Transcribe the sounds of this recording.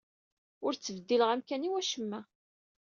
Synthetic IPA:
ʊɾt͡sːəvəd̪ːiləʁæmkæniwæʃəmːæ

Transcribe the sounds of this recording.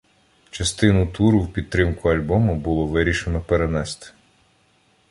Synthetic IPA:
t͡ʃɐst̪ɪnʊt̪uɾʊwpʲid̪̚t̪ːɾɪmkʊɐlʲbɔmʊbʊlˠɔʋɪɾʲiʃenɔpeɾenɛst̪ɪ̥

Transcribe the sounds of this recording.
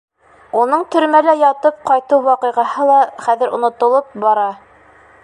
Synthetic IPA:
unɤɴt̪ɵ̆ɾmælæjɑt̪ɤp̚qɑjt̪uwwɑqɤ̆jʁɑɦɤlˠɑχæðɘ̆ɾŏ̰nŏt̪ŏlˠɤp̚bɑɾɑ

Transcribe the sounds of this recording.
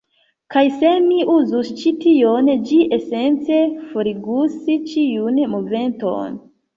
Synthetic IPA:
kajse̞miuzust͡ʃitiond͡ʒiʔese̞nt͡se̞foɾiɡusit͡ʃiunmove̞nto̰n

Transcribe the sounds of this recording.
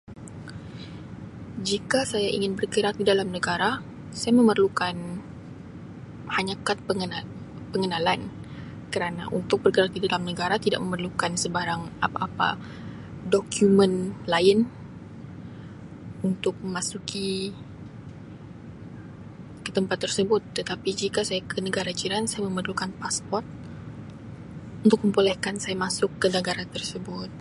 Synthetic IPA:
d͡ʒikasajaʔḭŋɪnbərkəɾak̚didalamnəɡaɾa | sajamə̃mərlukan | haɲakat̪̚pəŋəna | pəŋənalan | kəɾana̰ʔṵnt̪ʊk̚bərkəɾak̚didalamnəɡaɾat̪ida̰ʔ̚məmərlukansəbaɾaŋapaʔːpa̰ | dokʰjumə̃nlaɪn | unt̪ʊk̚məmasukʰi | kə̥t̪əmpat̪ːərsəbʊt̪ːət̪apid͡ʒikasajakʰənəɡaɾad͡ʒiɾansajaməmərlukanpaspɔrt̪̚ | unt̪ʊk̚məmpolɛhkansajamasʊkːənəɡaɾat̪ərsəbʊt̪̚

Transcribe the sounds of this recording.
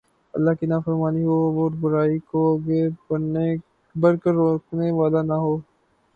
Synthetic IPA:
ɐ̰lːaːɦkinaːfəɾmaːniɦoːoːɾbʊɾaːikoɡekɐɾne | bɐɾkəɾːoːkneʋaːlanaɦoː

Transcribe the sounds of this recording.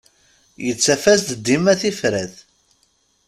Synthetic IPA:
jət͡sːæfæst̪d̪ːimæθifɾæθ

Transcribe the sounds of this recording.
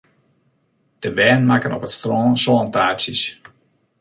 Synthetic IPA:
d̥əbɛːnmakənɔpətstrɔːnsolɑntaːsjəs

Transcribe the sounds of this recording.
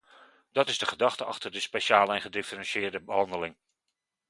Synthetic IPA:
d̥ɑtɪzdəχədɑχtəɑ̰χtərdəspeʃaːləɛnχədɪfərɛ̃nsjɪːɹdəbəɦɑndəlɪŋ

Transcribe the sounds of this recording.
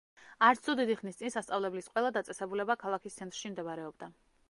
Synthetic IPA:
aɾt̪sʰɔd̪id̪iχnist̪sʼinsast̪sʼavlɛblisqʼwɛlˠad̪at̪sʼɛsɛbulɛbakʰalˠakʰist̪sʰɛnt̪ʼɾʃimd̪ɛbaɾɛɔbd̪a

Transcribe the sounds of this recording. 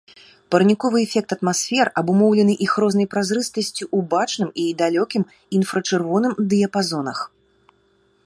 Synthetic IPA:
pɐɾnʲikɔvɨɛfʲɛk̚t̪ɐt̪masfʲɛrɐbumɔwlʲɛnɨʔixrɔznɐjpɾazɾɨst̪ɐsʲt͡sʲiʔubat͡ʂnɨmid̪alʲɔkʲim | infɾɐt͡ʂɨrvɔn̪ɨmd̪ɨjɐpazɔnɐx

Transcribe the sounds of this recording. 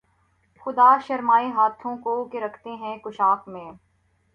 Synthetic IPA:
xʊd̪aːʃɐɾmaːiɦaːt̪ʰõkokeɾɐkʰt̪eɦɛ̃kʊʃaːkmẽː

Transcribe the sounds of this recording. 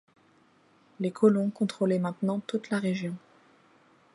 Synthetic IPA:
lekʰɔlɔ̃kɔ̃t̪χolɛmɛ̃t̪nɑ̃t̪ut̪laʁeʒjɔ̃

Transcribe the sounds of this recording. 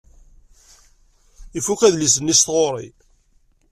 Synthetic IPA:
ifukæðlis̬ənːist̪ʁoɾˤḭ

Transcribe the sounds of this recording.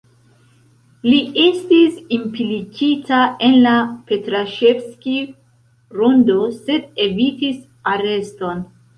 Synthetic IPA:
liʔestisimpilikitae̞nlape̞tɾaʃefski | ɾundo̞se̞de̞vitis | aɾe̞sto̞n

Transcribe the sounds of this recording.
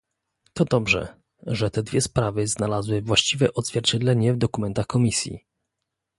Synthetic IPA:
t̪ɔd̪ɔbʐɛ̰ | ʐɛt̪ɛd̪vʲjɛspɾavɘznalazwɘvwaɕt͡ɕivɛʔɔd̪zvʲjɛɾt͡ɕɛd̪lɛɲɛvd̪ɔkumɛnt̪axkɔmʲisʲjḭ

